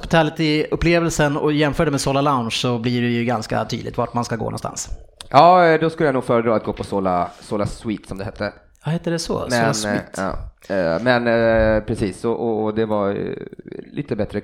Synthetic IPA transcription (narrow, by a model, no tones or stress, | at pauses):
pɪt̪ʰælɪt̪ɪɵpːleːvɛlsənɔjɛmfœːɖɛmedsoːlalaʊnʂsɔbliɖɛjɵɡanska̰t̪ʰy̰ːd̪ɪt̪vaʈmanskaɡo̰ːnɔ̰nst̪a̰nsjɑːd̪ɔskɵləjanuːɡfœːɾəd̪ɾɑːt̪ɡoːpʰɔsoːlasoːlaswiːt̪sɔmd̪ɛhɛt̪ʰːə | vahɛt̪ːəd̪ɛso̰smɛlasiːt̪ːmɛnpʰɾɛsiːsɔʔɔd̪ɛvaɾ̰lʔḭːt̪əbɛt̪ɾə